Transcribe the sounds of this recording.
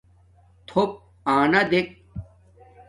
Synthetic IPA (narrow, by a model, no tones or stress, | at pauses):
t̪ʰop̚ | aːnɐd̪ek̚